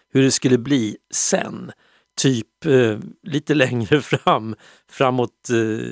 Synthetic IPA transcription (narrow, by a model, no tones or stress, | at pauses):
hɵɖɛskɵlːəbliːsɛ̰n | t̪ʰyːp | liːt̪əlɛŋɾəfɾam | fɾamːɔt̪